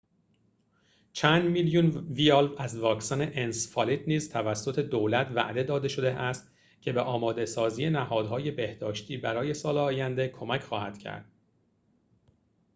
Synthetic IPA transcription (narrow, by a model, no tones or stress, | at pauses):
t͡ʃʰænd̪miljunviɒlæzvɒːksɒːne̞ʔensfɒlit̪niːzt̪ʰævæsːo̞t̪ʰe̞d̪oːlæt̪ʰvæ̰ʔd̪e̞d̪ɒːd̪e̞ʃo̞d̪e̞ʔæst̪ | cʰe̞be̞ʔɒːmɒːd̪e̞sɒːziːje̞næhɒːd̪hɒːje̞be̞hd̪ɒːʃt̪ʰiːbæɾɒːje̞sɒːleɒːjænd̪ekʰo̞mæcʰxɒːhæd̪̥cʰæ̰ɾd̪̥